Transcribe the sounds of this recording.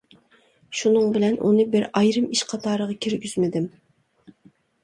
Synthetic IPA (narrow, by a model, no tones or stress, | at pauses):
ʃunɨŋbɪlɛnʔṵnɨbɪɾɑjɾɨmiʃqʰɑt̪ʰɑːɾəʁɑkʲʰiɾɡʲyz̥mɪd̪ɪm